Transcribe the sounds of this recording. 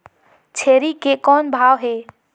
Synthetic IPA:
t͡ʃʰeɾikekɔnbʱawɦe

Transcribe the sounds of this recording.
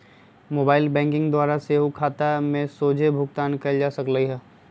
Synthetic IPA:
moːbaːɪlbɛ̃ːŋkɪ̃ŋɡd̪waːɾaseːɦukʰaːt̪amẽsoːd͡ʒʱebʱʊɡt̪aːnkɐld͡ʒaːsɐkləiɦɛː

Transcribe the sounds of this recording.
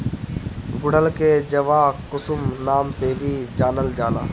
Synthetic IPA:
ɡʊɽ̤əlkʰeːd͡ʑɐʋaːkʊsʊmnaːmsebʱid͡ʑaːnəld͡ʒaːna̰ː

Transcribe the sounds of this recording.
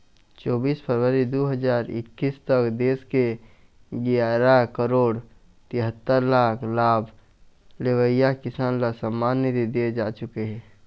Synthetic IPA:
t͡ʃɔːbiːspʰəɾwəɾid̪oːɦəd͡ʒaːɾɪ̰kːiːst̪əkd̪eːske | ɡijaːɾakəɾoːɽ | t̪ɪ̃ɦət̪ːəɾlaːkʰlaːb | lewəɪjakɪsaːnlasəmːaːnːit̪id̪ied͡ʒaːt͡ʃʊkeɦɛ̃ː

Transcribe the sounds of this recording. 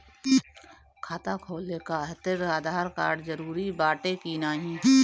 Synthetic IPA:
kʰaːt̪akʰoːlekat̪ɪɾaːd̪ʱaːɾka̰ːɾɖzəɾuːɾibaːʈekinaːɦĩː

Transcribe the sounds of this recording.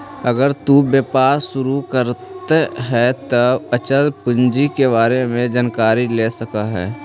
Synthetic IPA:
ɐɡəɾt̪ubjepaːɾʃʊɾukəɾtt̪eɦɛt̪əət͡ʃəlpʊɲd͡ʒikeβaːɾemẽd͡ʒaːnkaːɾileːsɐkaɦɛ̰ː

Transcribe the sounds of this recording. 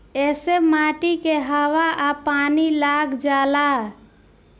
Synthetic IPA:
esemaʈikeɦəwaʔapanilaɡd͡ʒala

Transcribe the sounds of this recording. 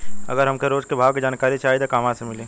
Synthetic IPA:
ɐ̰ɡəɾɦɐmkeɾoːd͡ʒkebʱaːʋked͡ʒaːnkaːɾit͡ʃaːɦid̪okaːmaːt̪semɪlẽː

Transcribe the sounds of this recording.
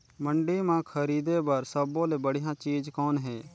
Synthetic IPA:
məɳɖiːmãːkʰəɾiːd̪eːbəɾsəbõːleːbəɽɪjãːt͡ʃiːd͡ʒkɔːnɦeː

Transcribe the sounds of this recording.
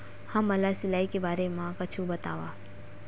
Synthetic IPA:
hɐ̃mːɐlasɪlaːikebaːɾemãkɐt͡ʃʰũbɐt̪a̰ːʋaː

